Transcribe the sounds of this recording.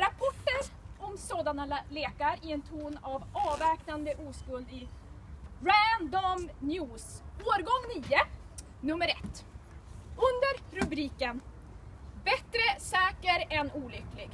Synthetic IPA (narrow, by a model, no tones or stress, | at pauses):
ɾapʰɔʈːəɾɔmsoːd̪analeːkaɾɪɛnt̪ʰuːnavɑːvɛːknand̪əʔuːskɵlɪ | ɾænd̪ɔmnjʉːsoːɾɡɔŋniːə | nɵmːəɾɛ̰t̪ː | ɵnd̪əɾɾɵbɾiːkən | bɛt̪ɾəsɛːkəɾɛnuːlʏkːlɪɡ